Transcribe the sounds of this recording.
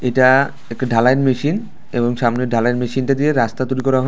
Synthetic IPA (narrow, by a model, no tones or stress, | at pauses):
eʈa | ekʈɖʱalaenmeʃin | eboŋʃamneɖʱalaenmeʃinʈad̪ieɾast̪at̪uɾikɔɾaɦɔ